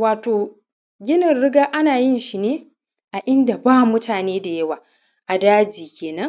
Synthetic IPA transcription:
waː˨toː˨ | ɡʲɪ˦nɪ˨nɽɪ˦ɡaː˦ʔa˦naː˨jɪ˦nʃi˨neː˦ | ʔa˨ʔɪ˦nda˨baː˦mʊ˦tʰaː˨neː˦da˨jɐ˦waː˨ | ʔa˨daː˦d͡ʒiː˨kʲeː˨nɐ˦ŋ

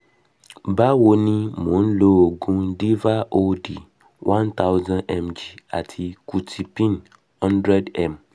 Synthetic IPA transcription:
ba˦wo˧nĩ˦mõ˨n̩˦lo˦o˨ɡũ˧˦di˦va˦ʔo˦di˨ | wʔã˦nt̪a˦wzã˦nɛ˦md͡ʒi˨a̰˨tʰi˧ku˨tʰi˨pĩ˦n | hɔ̃˦ndɾɛ˦dɛ˨m

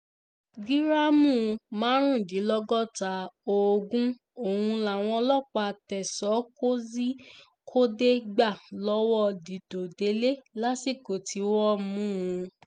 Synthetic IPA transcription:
ɡi˦ɾa˦mũ˦˨˧mãː˨˦ɾ̃ũ˦˨di˨˦lɔ˦ɡɔ˦˨ta˧˦o˨ɡũ˦ | o˦˨hũ˧la˨w̃ɔ̃˧˦lɔ˦˨k͡pa˧tɛ˨sɔ˨˦ko˦zi˦ | kʰo˦de˦ɡ͡ba˦˨lɔ˦wɔ˦˨di˨do˨de˨˦le˦la˦si˦˨ko˨tʰi˨˦wɔ˦mũ˦ũ˧

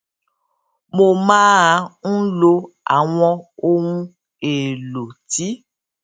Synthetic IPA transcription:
mo˧mãː˦a˨˧n̩˦lo˧ | a̰˨w̃ɔ̃˧o˦ŋũ˦ | e˨lo˨ti˨˦

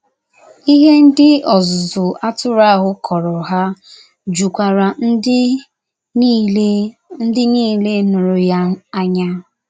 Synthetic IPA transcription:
i˦ɦe˦n̩˦dɪ˦ɔ˨zʊ˨zʊ˨a˦tʊ˦ɾa˦˨ɦʊ˦kʰɔ˨ɾɔ˨ɦa˦ | d͡ʒu˨kʷa˨ɾa˨n˦ | n̩˦dɪ˦niː˦˨le˦nʊ˨ɾʊ˨ja˦a˦ɲa˦

